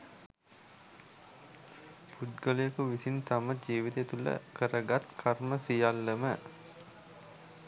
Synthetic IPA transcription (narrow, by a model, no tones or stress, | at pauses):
put̪̚ɡələjəkuʋisint̪aməd͡ʒiːʋit̪eet̪ulə̰kəɾəɡat̪kʰarməsijalːəmə